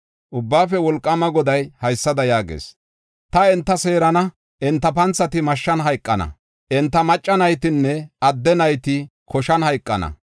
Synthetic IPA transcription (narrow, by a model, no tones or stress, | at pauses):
ʔʊbːaːfɛwɔlkʼːɐmɐɡɔd̪ɐjhɐjsːɐd̪ɐjaːɡḛːs | t̪ɐɛnt̪ːɐse̞ːɾɐnɐ | ʔɛnt̪ːɐpɐnt͡sːɐt̪ɪmɐʃːɐnɦɐjkʼːɐnɐ̰ | ʔɛnt̪ːɐmɐt͡ʃʼːɐnɐjt̪ɪnːɛɐd̪ːɛnɐjt̪ɪkʰɔʃɐnhɐjkʼːɐnɐ̰